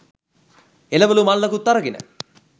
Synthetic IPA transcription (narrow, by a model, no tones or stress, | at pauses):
elɐʋɐlumalːɐkut̪ːɐɾɐɡinə̰